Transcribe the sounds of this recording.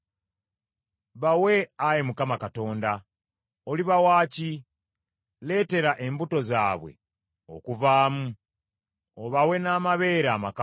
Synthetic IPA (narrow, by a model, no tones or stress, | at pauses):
βawe̞ajemukamakato̞ːnda | oliβawaːci | le̞ːte̞ɾaʔe̞mbuto̞zaːβwe̞̰ | o̞̰kuvaːmu | oβawe̞naːmaβe̞ɾaːmak